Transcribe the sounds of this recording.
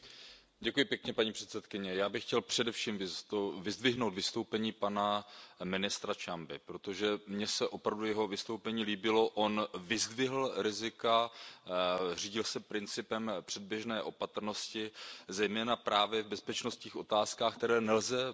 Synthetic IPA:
ɟɛkujɪpjɛkɲɛpaɲiːpr̥ɛt̪sɛt̪kɪɲɛjaːbɪxcɛlpr̝̥ɛdɛfʃiːmvɪovɪzd̪vɪɦnowt̪vɪst̪o̞wpɛɲiːpanamɪnɪst̪ɾat͡ʃambɪpɾo̞t̪o̞ʒɛmɲɛsɛʔo̞pɾavdujɛɦo̞vɪst̪o̞wpɛɲiːliːbɪlo̞ʔonvɪzd̪vɪɦl̩ɾɪzɪka | r̝iːɟɪlsɛpɾɪnt͡sɪpɛmpr̝̥ɛd̚bjɛʒnɛːʔo̞pat̪r̩no̞scɪzɛjmɛːnapɾʔaːvjɛvbɛspɛt͡ʃno̞st̪ɲiːxʔo̞t̪aːskaːxkt̪ɛɾɛːnɛlzɛ

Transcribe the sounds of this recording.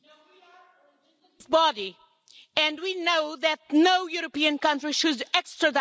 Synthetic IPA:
zbɑɾi | ɨ̃ndwinoʊðɨt̚noʊjuɾəpiɨ̃nkʌ̃ntɹiʃɨdɛkstɹ̥ɨd

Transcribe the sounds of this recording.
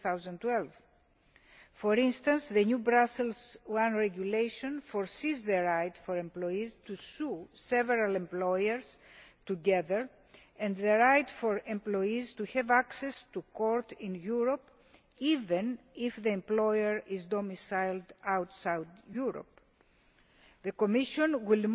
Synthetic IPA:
θawzɐ̃nt̪wɛlv | foɾĩnst̪ɐ̃nsðeɲubɾaselzwãnɹeɡulejʃõnfoɾsizðeɾajt̪foɾẽmploizt̪ususeveɾalẽmplojeɾzt̪uɡeðeɹ | ɛ̃nd̪ðeɾajt̪foɾẽmplojizt̪uhɛvaksest̪ukoɾt̪ĩnjuɾop | ivẽnifðiẽmplojeɹizd̪omisajld̪awt̪sajd̪juɾo̰p | ðekomiʃõnwil

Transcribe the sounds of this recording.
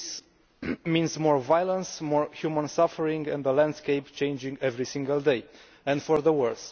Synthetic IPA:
s | mĩnzmɔɹvajlə̃nsmɔɹhjumə̃nsafəɹĩŋɡɛ̰̃nd̪ðəlæ̃nd̪̥skejpt͡ʃẽj̃nd͡ʒĩŋɡɛvɹisĩŋɡəlˠd̪ej | ɛ̃ndfɔɹðəwɜɹs

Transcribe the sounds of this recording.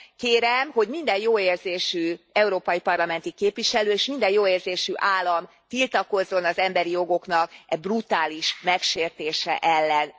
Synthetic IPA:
keːɾɛmho̞ɟmind̪ɛnjoːeːrzeːʃyɛuɾoːpɒjipɒrlɒmɛnt̪ikeːpʋiʃɛløːeːʃmind̪ɛnjoːeːrzeːʃyʔaːlːɒm | t̪ilt̪ɒko̞zːo̞nɒzɛmbɛɾijo̞ɡo̞kn̪ɒkɛbrut̪aːliʃmɛkʃeːrt̪eːʃɛ̰ʔɛlːɛn

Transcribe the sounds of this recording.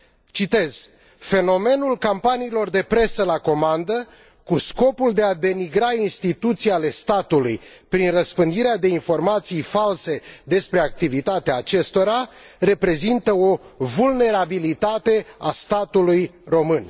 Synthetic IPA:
t͡ʃit̪e̞z̥ | fe̞no̞me̞nulkampaniːlo̞rd̪e̞pɾe̞səlako̞mand̪ə | kusko̞puld̪e̞ad̪e̞niɡɾainst̪it̪ut̪sijale̞st̪at̪uluj | pɾinrəspɨnd̪iɾead̪e̞info̞rmat̪sijfalse̞d̪e̞spɾe̞ak̚t̪ivit̪at̪eaːt͡ʃe̞st̪o̞ɾa | re̞pɾe̞zint̪əo̞vulne̞ɾabilit̪at̪e̞a̰st̪at̪ulujro̞mɨn

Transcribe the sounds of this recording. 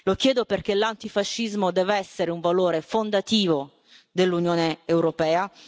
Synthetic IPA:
lokjɛːd̪operk̟elant̪ifaʃːizmod̪ɛːvɛsːeɾeuɱvaloːɾefond̪at̪iːvo | d̪elːunjoːneːwɾopɛːa

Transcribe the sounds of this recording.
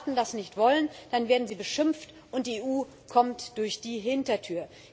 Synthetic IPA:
tn̩dasnɪçtv̥ɔlənd̥anveːɐdn̩ziːbəʃɪmft | ʔʊnt̚d̥iːeːʔuː | kʰɔmtd̥ʊɐçd̥iːɦɪntɐtʰyːɐ

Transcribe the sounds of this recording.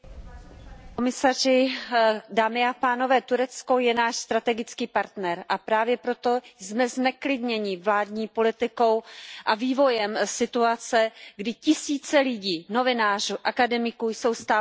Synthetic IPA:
komɪsarɪ | daːmɪapaːno̞vɛːt̪uɾɛt͡sko̞jɛnaːʃst̪ɾat̪ɛɡɪt͡skiːpaɾt̪nɛɾʔapɾaːvjɛpɾo̞t̪o̞jzmɛznɛklɪdɲɛɲɪvlaːdɲiːpo̞lɪt̪ɪko̞wʔaviːvo̞jɛmsɪt̪uat͡sɛɡdɪcɪsiːt͡sɛlɪɟiːno̞vɪnaːr̝uʔakadɛmɪkujso̞wst̪aː

